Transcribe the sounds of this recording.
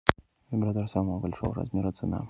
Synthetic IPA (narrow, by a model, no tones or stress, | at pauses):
vʲɪbɾat̪oɾsaməvəbɐlʲʂo̰vəɾɐ̰zmʲeɾət̪sɨna̰